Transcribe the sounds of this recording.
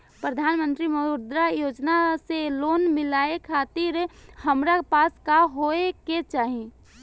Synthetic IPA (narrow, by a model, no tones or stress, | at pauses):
pɾəd̪ʱaːnmə̃nt̪ɾimoʊɾd̪ɾajoːd͡ʒnaseloːnmɪlaːekʰaːt̪ɪɾhəmɾaepaːskaɦoeket͡ʃaːɦie